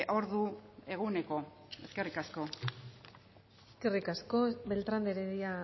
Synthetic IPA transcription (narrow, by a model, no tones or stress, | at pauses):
ʔo̞ɾðue̞ɣune̞ko̞ | e̞ske̞rikasko̞ | eske̞rikasko̞be̞lt̪ɾand̪eɾeðia